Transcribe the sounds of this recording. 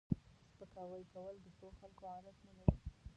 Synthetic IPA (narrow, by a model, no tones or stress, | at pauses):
spəkɑwəjkawəld̪əsoxalkoɑɾaznanawi